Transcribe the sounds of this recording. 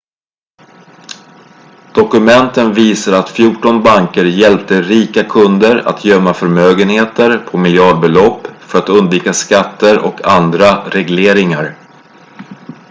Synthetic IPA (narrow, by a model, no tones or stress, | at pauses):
d̪̥ɔkɵmɛnt̪ənviːsaɾat̪fjuːʈɔnbaŋkəɾjɛlp̚t̪əɾiːkakʰɵnd̪əɾa̰t̪ʰjœmːafœɾmøːɡənheːt̪əɾpʰɔmɪljɑːɖ̚bɛlɔpːfœɾat̪ɵnd̪viːkaskat̪ːəɾɔkʰand̪ɾaɾɛɡleːɾɪŋaɾ